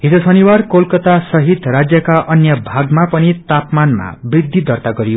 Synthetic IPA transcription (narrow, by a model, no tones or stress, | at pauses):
ɦid͡zosʌniwarkolkʌt̪asʌɦit̪rad͡zjʌkaʔʌnjʌbʱaɡmapʌnit̪apmanma̰brid̪ʱːid̪ʱʌrt̪aɡʌɾio